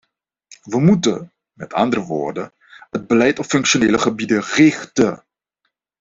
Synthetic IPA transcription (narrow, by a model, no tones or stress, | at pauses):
ʋəmutə̰ | mɛtʰɑ̰ndərəʋo̰ːɹdə | ɦəd̚bəlɛjtɔpfɵŋkʃoneːləχəbidərɪχtə